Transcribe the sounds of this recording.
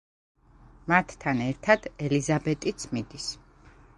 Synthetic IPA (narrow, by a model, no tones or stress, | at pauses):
mat̪ʰːanɛɾt̪ʰad̪̥ɛlizabɛt̪ʼit̪sʰmid̪is